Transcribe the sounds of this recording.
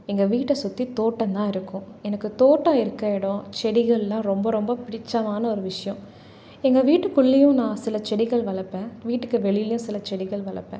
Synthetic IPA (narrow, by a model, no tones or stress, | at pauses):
ɛŋɡɐʋiːʈːɐsʊt̪ːit̪oːʈːɐ̃nt̪ãːɪɾɯkːʊ̃ɛnɐkːɯt̪oːʈːãɪɾɯkːeːɽõt͡ʃɛɽɪɣɐɭɛlːãːɾɔmbɐɾɔmbɐpɪɽɪt͡ʃːɐmaːnɐɔɾɯʋɪʂɐjɐ̃ | ɛŋɡɐʋiːʈːɯkːʊɭːɪjʊ̃nãːsɪlɐt͡ʃɛɽɪɣɐɭʋɐɭɐpːẽːʋiːʈːɯkːɯʋɛɭɪjɪlɪjʊ̃sɪlɐt͡ʃɛɽɪɣɐɭʋɐɭɐ̰pːḛ̃ː